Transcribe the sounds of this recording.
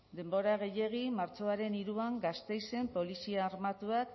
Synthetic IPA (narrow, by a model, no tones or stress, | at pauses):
d̪e̞mbo̞ɾaɣ̞e̞je̞ɣ̞imaɾt͡ʃo̞aɾe̞niɾuaŋɡast̪e̞jse̞mpo̞lisiaːɾmat̪uak